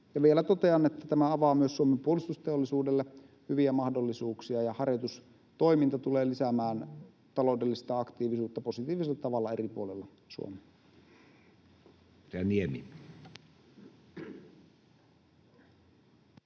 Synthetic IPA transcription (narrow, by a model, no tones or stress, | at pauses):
jɑʋielæt̪ot̪eɑnet̪ːæt̪æmæɑʋɑːmyøsːuomempuolist̪ust̪eolːisuːdelːe | hyʋiæmɑhdolːisuːksiɑjɑhɑrjot̪us | t̪o̞imint̪ɑt̪uleːlisæmæːn | t̪ɑlo̞ˑudelːist̪ɑɑkt̪iːʋisuːt̪ːɑpo̞sit̪iːʋiselːɑt̪ɑʋɑlːɑeripṵolelːɑ | sṵo̰me | æniemḭ